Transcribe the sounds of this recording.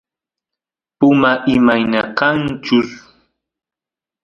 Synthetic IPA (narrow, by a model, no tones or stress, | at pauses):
pʊmaʔɪmajnakant͡ʃʊs